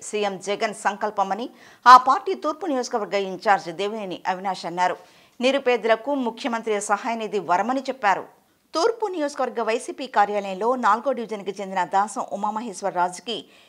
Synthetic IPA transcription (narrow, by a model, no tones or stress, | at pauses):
sijemd͡ʒɛɡɐnsɐŋkɐlpɐmɐni | aːpaːɾʈiːt̪uːɾpunijoːd͡ʒɐkɐʋɐɾɡɐiɲt͡ʃaːɾd͡ʒd̪eːʋuniːniʔɐʋinaːʃɐnːaːɾu | niɾupeːd̪ulɐkumukʰjɐmɐnt̪ɾiɐsɐɦaːjɐniːd̪iʋɐɾɐmɐnit͡ʃɛpːaːɾṵ | t̪uːɾpunijoːd͡ʒɐkɐʋɐɾɡːɐʋɐjsiːpiːkaːɾjaːlɐjɐlo̞ːnaːlɡo̞ːɖiʋid͡ʒɐnkit͡ʃe̞nd̪inɐd̪aːsɐmʔumaːmɐɦiʃʋɐɾːaːd͡ʒɐki